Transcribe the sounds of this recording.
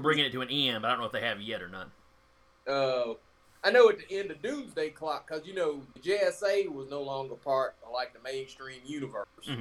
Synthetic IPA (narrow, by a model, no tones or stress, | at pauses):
bɹɪ̃ŋɪ̃ɨtʰɨɨ̃niɛ̃nmbaɪdõnoʊəfðeɪɨvjɛɾə̰˞nə̰t̚ | ʌ | aɪnoʊɨtɨʔɛ̃ndɨdʉ̃nzdeɪkʰl̥ɑkʰːʌzjɨnoʊðɨd͡ʒeɪɛseɪwʌznoʊlɔ̃ŋɡə˞pʰɑɹt̚laɪk̚ðəmẽɪ̃nstɹ̥ĩmjʉnɨvɜ̰˞sz̥